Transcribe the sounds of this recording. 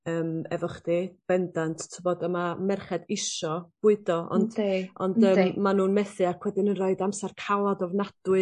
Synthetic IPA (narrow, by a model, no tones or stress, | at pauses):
əːmɛvɔχd̥eb̥ɛndantʰtʰəbɔdəmamɛrχɛdɪʃɔb̥ʊɨdɔɔ̰nd̥ɔ̰ndəːmmanuːnmɛθɨakʰwɛdɪnənroɨdamsarkʰawˠadɔvnad̥wɨ